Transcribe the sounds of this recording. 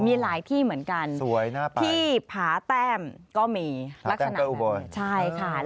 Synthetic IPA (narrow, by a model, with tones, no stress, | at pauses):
miː˧laː˩˦jt̪ʰiː˥˩mɯ˩˦ənka˧nsu˩˦ɐjnaː˥˩t̪ʰi˧iː˥˩pʰaː˩˦t̪ɛː˥˩mkɔː˥˩miː˧˨a˦˥kːsaa˥˩ʔu˨boː˧t͡ɕʰa˥˩jkʰa˥˩